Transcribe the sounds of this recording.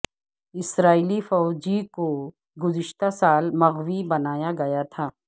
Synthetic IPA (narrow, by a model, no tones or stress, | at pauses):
ɪsɾaːilifɔːd͡ʒiko | ɡʊzɪʃt̪asaːlmɐɣwibɐnaːjaɡɐjat̪ʰaː